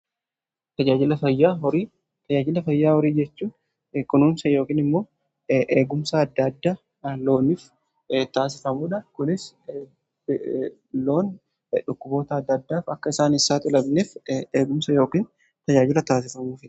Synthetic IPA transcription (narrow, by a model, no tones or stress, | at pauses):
t̪ɐd͡ʒaːd͡ʒɪlɐfɐjːaːɦɔɾiː | t̪ɐd͡ʒaːd͡ʒɪlɐfɐjːaːhɔɾiːd͡ʒɛt͡ʃːuːn | kʊnuːnsɐjo̞ːkiːnɪmːo̞ː | ʔeːɡʊmsɐɐd̪ːɐd̪ːaː | lo̞ːniːf | t̪aːs̬ɪfɐmuːᶑɐkʊnɪs | lo̞ːn | ᶑʊkːʊbo̞ːt̪ɐɐd̪ːɐd̪ːaːfɐkːɐɪsaːnɪsaːt̪ɪlɐbneːfeːɡʊmsɐjo̞ːkiːn | t̪ɐd͡ʒaːd͡ʒɪlɐt̪aːs̬ɪfɐmuːfɪᶑɐ̥